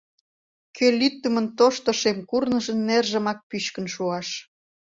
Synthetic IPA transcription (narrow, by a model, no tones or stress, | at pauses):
kʰelyt̪ːəmə̆nt̪oʃt̪ə̆ʃemkurnə̆ʒə̆nːerʒə̆mɑk̚pyɕkə̆nʃuɑʃ